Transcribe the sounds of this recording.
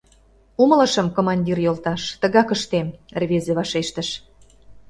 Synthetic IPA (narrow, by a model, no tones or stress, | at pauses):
umə̆lə̆ʃə̆mkomɑnʲdʲirjolt̪ɑʃt̪ə̆ɣɑkə̆ʃt̪emrβezeβɑʃeʃt̪ə̆ʃ